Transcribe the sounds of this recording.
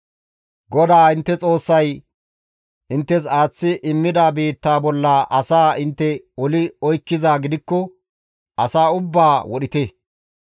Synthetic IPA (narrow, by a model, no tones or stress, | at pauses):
ɡɔd̪aːɪnt̪ːɛt͡sʼo̞ːsːɐj | ʔɪnt̪ːɛs̬aːt͡sːɪʔɪmːɪd̪aːbiːt̪ːaːbɔlːaːʔɐsaːɪnt̪ːɛ | ɔlɪɔjkːɪzaːɡɪd̪ɪkːɔ | ʔɐsaːʊbːaːwɔɗɪt̪ɛ